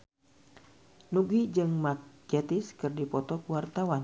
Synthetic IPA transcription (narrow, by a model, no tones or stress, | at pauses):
nuɡid͡ʒɨŋmak̚ɛt̪iskɨrdipɔt̪ɔkuwart̪awan